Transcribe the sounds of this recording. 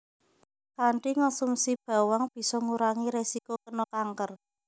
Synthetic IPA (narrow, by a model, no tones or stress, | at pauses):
kaɳʈiŋɔsumsib̥a̤waŋb̥i̤sɔŋuɾaŋiɾesikokənɔkaŋkər